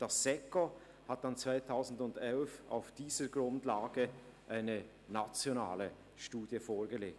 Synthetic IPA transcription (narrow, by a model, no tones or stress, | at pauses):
d̥ɑsːɛko | hat̚d̥ant͡sv̥aɪtʰaʊzn̩dʊndɛlfa̰ʊfd̥iːz̥əɡʁʊndlaːɡə | ʔaɪnə | nat͡sjona̰ːlə | ʃtuːdjəfoːɐɡəleːk̚